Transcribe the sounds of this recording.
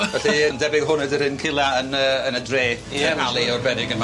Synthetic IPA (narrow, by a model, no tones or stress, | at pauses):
ɛθiəndɛbɪɡɦʊnɛdəɾɪnkʰɪlˠaənəːnədreː | ɛhalˠiɔrbɛnɪɡənm